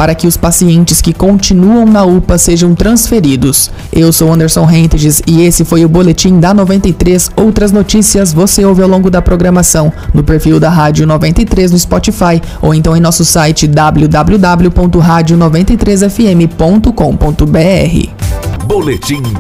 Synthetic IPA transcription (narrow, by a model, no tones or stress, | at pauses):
paɾɐkɪʊspasiẽnt͡ʃɪskɪkõt͡ʃinuɐ̃w̃nɐupɐseʒɐ̃w̃t̪ɾɐ̃sfeɾid̪ʊs | ewsowɐ̃nd̪eɾsõɦẽt̪ɪʒɪzɪesɪfojʊbolet͡ʃĩd̪ɐnovẽnt̪ɐjt̪ɾesowt̪ɾɐznot͡ʃisiɐzvoseowvɪawlõɡʊd̪ɐpɾoɡɾɐmasɐ̃w̃nʊpeɾfiwd̪ɐɦad͡ʒiʊnovẽnt̪ɐjt̪ɾez̬nʊɪspɔt͡ʃifajo̰wẽnt̪ɐ̃w̃ẽj̃nɔsʊsajt͡ʃɪd̪ablud̪ablud̪abljʊpõnt̪ʊɦad͡ʒʊnovẽnt̪ejt̪ɾez̬ɛfiẽmɪpõnt̪ʊkõw̃põnt̪ʊbeɛ̰ɦɪ̰bolet͡ʃĩ